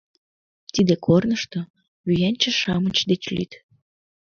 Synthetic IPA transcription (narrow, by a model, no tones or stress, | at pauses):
t̪id̪ekʰornəʃt̪o | yjænʲt͡ɕə̆ʃɑmət͡ɕd̪et͡ɕly̰t̪